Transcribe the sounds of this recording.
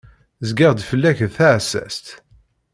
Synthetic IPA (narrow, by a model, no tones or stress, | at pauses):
zɡiʁd̪fəlːæçðθaʕsːæ̰st̪